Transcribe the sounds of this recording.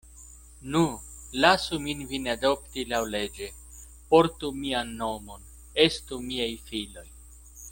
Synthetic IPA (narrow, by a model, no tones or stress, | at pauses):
nulasuminvinado̞ptilawle̞d͡ʒe̞ | po̞ɾtumianːo̞mo̞n | e̞stumiajfilo̞j